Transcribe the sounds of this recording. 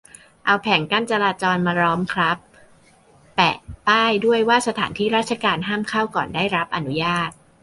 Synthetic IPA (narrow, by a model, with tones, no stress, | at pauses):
ʔa˧wpʰɛ˩˦ŋka˥˩nt͡ɕa˧ɾaː˧t͡ɕɔː˧nmaː˧ɾɔː˦˥mkʰɾa˦˥p̚ː | ɛ̰˨˩ʔpaː˥˩jdu˥˩əjwaː˥˩sa˧t̪ʰa̰ː˩˦nt̪ʰiː˦˥˩ɾaː˥˩t̪̚t͡ɕʰa˧kaː˧nɦaː˥˩mkʰa˥˩wkɔː˨˩ndaː˥˩jɾa˦˥p̚ʔa˧nu˦˥jaː˥˩t̪̚